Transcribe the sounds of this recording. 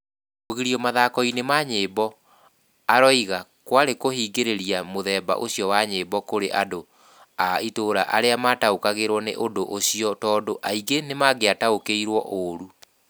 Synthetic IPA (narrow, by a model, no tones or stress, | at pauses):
oɣiɾiɔmaðakɔinemaɲeːbɔ | aɾɔiɣa | kwaɾekohiːɡeɾeɾiamoðɛːba̰ʔoɕiɔwaɲeːbɔkoɾḛʔado | aitoːɾa̰ʔaɾeamaːtaokaɣeɾwɔnḛʔondoʔoɕiɔtɔːdoʔaiɡenemaɡeataokeiɾwɔʔoɾu